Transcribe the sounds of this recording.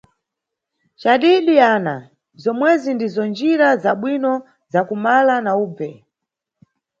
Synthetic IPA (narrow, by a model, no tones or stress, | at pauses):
t͡ʃaɗiɗiana | zɔmwɛzindizɔnd͡ʒiɾazaɓwinɔ | zakumalanauːb͡vɛ